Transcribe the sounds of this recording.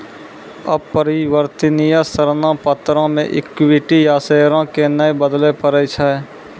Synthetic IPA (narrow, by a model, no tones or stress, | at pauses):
əbpəɾiwəɾt̪ɪnijasəɾnãpət̪ɾãmḛ̃ʔɪ̰kwɪʈijaːseːɾãkenəebəd̪lepəɾəjt͡ʃʰaɛ